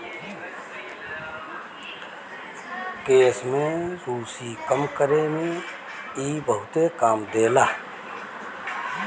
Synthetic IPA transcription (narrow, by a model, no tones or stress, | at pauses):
keːsmẽɾuːsikəmkəɾemẽ | iːbəɦʊt̪ekaːmd̪eːlaː